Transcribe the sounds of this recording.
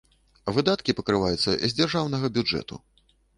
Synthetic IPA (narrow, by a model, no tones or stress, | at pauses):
vɨd̪at̪kʲipɐkɾɨvajut̪sːɐ̰izʲd͡zʲarʐawnɐɣɐbʲud͡ʐɛ̰t̪ṵ